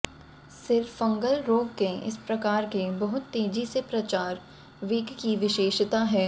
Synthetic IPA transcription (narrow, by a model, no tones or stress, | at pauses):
sɪɾfɐ̃ŋɡəlɾoːɡkeɪ̰spɾɐkaːɾkebɐɦʊt̪ːeːd͡ʒisepɾɐt͡ʃaːɾ | ʋɪːɡkiʋɪʃeːʃt̪aɦɛː